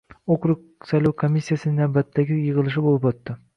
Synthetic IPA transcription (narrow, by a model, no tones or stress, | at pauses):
okɾʊq | sɑjlʲˠawkʰomʲisʲːijasɪnɪnabat̪ːaɡʲɪjɯʁɨlˠɯʃ̬ɪbolˠɯpot̪ːɪ